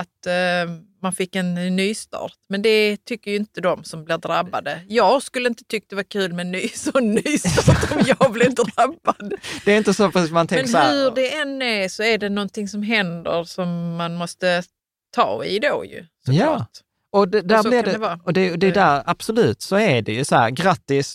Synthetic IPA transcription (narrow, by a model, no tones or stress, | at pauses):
at̪ | manfɪkːɛnːyːst̪ɑ̰ːt̪mɛnd̪ɛt̪ʰʏkːəɾjɪnt̪əd̪ɔmsɔmblɪɾd̪ɾabːad̪əjɑːɡskɵlːəɪnt̪ə̥t̪ʰʏkːad̪ɛvaɾkʰʉ̟ːlmɛnːyːsɔnːyːst̪ɑɾt̪ɔmjɑːɡblɪɪnd̪d̪ɾabːad̪d̪̥ɛːɾɪnt̪əsɔpʰsismanɛmɛknshɵɖɛɛnːæɾsɔæɖɛnɔnt̪ɪŋsɔmɦɛnd̪ə̰ɾsɔmːanmɔst̪ə | t̪ʰɑ̰ːɪ̰d̪o̰jɵ̰sɔɑːt | ɔd̪ɛd̪æɾlɪaɛd̪ɛvɑːɔd̪ɛd̪ɛd̪æɾab̥sɔlʉ̟ːt̪sɔæɖɛjɵsɔhæ̰ːɾɡɾat̪ːɪs